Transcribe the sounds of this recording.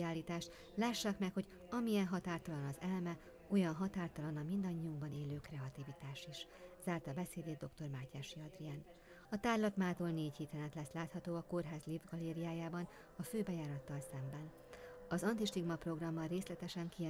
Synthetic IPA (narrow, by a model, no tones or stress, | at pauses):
aːlːiːt̪aːʃt̪ | laːʃːaːkmɛkho̞ɟ | ɒmijɛnɦɒt̪aːrt̪ɒlɒnɒzɛlmɛ | ojɒnɦɒt̪aːrt̪ɒlɒnɒmind̪ɒɲːiuŋɡbɒneːløːkrɛɒt̪ivit̪aːʃiʃz̥aːrt̪ɒbɛseːd̪eːd̪d̪o̞kt̪o̞rmaːcaːʃiɒd̪rian | ɒt̪aːrlɒt̪maːt̪olneːchit̪ɛnɛt̪lɛslaːt̪hɒt̪oːɒko̞rɦaːzlivɡɒleːɾijaːjaːbɒn | ɒføːbɛjaːɾɒt̪ːɒlsɛmbɛn | ɒzɒnt̪iʃt̪iɡmɒpro̞ɡrɒmːɒreːslɛt̪ɛʃɛŋki